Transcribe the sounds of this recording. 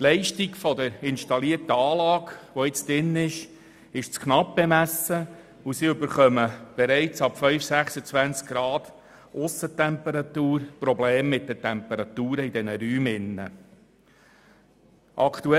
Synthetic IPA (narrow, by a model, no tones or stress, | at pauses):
tlɛɪʃtikfɔd̪əɾɪnʃtɑliəɾtəɑːlɑːkʋɔɪt͡sd̥̪ɾɪnːɪʃ | ɪʃt͡skʰnɑp̚b̥ɛmæsə | usiɵbəɾχœməb̥ɛɾɛɪt͡sɑpfœʏfsæχsət͡svænt͡skɡ̥ɾɑːd̪̥ | ʔʊsətɛmpəɾɑt̪uːɾpɾɔbleːmːɪt̚d̥ətɛmpəɾɑt̪uːɾəid̥ɛnəɾyːmɪnːə̰ | ʔɑkt̪uɛ